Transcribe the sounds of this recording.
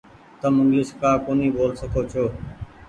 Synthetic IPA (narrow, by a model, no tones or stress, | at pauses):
t̪əmʊ̃ŋɡoːskaːkoːniːboːlsəkʰoːt͡ʃʰoː